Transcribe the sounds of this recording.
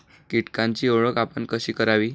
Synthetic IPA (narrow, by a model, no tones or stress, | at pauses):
kiʈkãɲt͡ɕiːoɭəkapəɳkəɕiːkəɾaʋiː